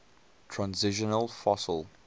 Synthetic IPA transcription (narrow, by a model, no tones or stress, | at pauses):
tʰɹãnzɪʃənəlˠfɔsəlˠ